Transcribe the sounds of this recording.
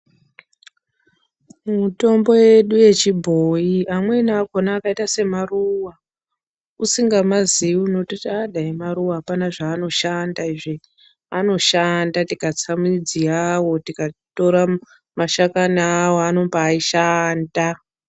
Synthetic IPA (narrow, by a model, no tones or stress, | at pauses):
mmuto̞mbo̞je̞ɗuje̞t͡ʃibʱoiamwe̞naːkonaːkaitase̞maruwa | usiŋɡamaziuno̞totaɗʱaimaɾuwapanaʐaːno̞ʃandaiʐe | ano̞ʃandatikat͡samid͡zijawo̞tikato̞ɾa | maʃakanaːwoano̞mbaːiʃaːnda